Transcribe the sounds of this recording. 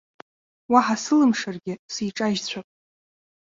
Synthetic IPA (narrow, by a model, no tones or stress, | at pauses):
waħasɨlɨmʂarɡʲɪsiʈ͡ʂʼaʒt͡ɕʷʰapʼ